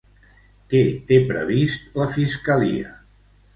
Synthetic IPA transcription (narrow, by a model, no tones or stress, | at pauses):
kɛt̪epɾə̰βist̪ləfiskəlḭə̰